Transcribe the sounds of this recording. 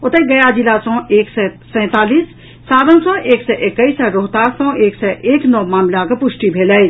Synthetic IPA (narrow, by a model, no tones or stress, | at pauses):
ʊt̪eɡɐjad͡ʒɪlasɔ̃ːʔeːksɛsɛ̃ːt̪aːliːs | saːʋənsɔ̃ʔeːksɛʔɪkːəisəɾoɦt̪aːsɔ̃ːeːksɛʔeːknɔmaːmlakepʊʃʈibʱeːləi